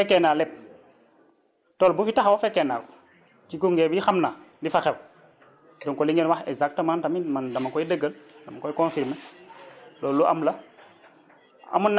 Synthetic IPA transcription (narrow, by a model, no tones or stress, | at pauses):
ɛkːɛnaːlɛp̚ | tɔlbufitaxawafɛkːɛna̰ːl | kikuŋɡɛːbiixɐmnaːndifaxɛw | duŋkɔliŋɡenwaxɛ̰ɡzak̚təmaːntɐminmandɐmɐkɔjidəɡːəldɐmakɔjkɔnfiɾme | lɔːluʔɐ̰mlɐ | ɐ̰munː